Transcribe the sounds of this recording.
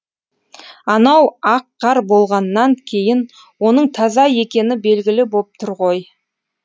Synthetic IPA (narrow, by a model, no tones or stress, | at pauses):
ɑnɑwɑqːɑɾbo̞lˠʁɑnːɑŋkʲʰe̞jɪn | wo̞nəɴt̪ʰɑzɑje̞kʲe̞nɪbe̞lɡʲɪlɪbop̚t̪ʰʊɾʁo̞j